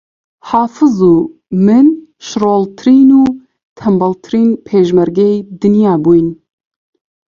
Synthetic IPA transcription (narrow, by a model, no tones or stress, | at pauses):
haːfɨzuː | mɨnʃɾoːlt̪ʰɨɾiːnuː | t̪ʰɛmbɑlt̪ʰɨɾiːnpʰeːʒmɛɾɡejd̪ɨnjaːbuːjn